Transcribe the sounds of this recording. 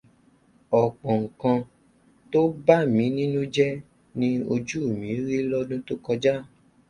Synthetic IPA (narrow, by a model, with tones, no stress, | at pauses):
ɔ˨k͡pɔ̃˨ŋ̩˨kã˧ | to˦ba˦mĩ˨˦nĩ˦nũ˦d͡ʒɛ˦ | nĩ˦o˧d͡ʒu˦o˦˨mĩ˨˦ɾi˦lɔ˦dũ˦to˦kɔ˧d͡ʒa˦